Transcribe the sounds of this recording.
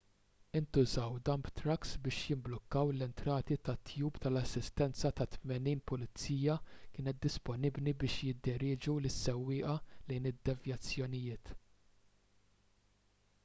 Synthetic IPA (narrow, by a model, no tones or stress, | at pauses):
ɪnt̪ʊzɐwd̪ɐmbt̪ɾɐksbɪːʃjɪmblɔkːɐwlɛnt̪ɾɐːt̪it̪ɐt̪ʰːjuːpt̪ɐlɐsːɪst̪ɛnt͡sɐt̪ɐt̪mɛniːnpʊlɪt͡siːjɐkɪːnɛt̪̚d̪ɪspɔnɪbnibɪːʃjɪd̪ːɪɾɪːd͡ʒulɪsːɛwːɪːʔɐlɛjnɪd̪ːɛvjɐt͡sːjɔnɪjɪːt̪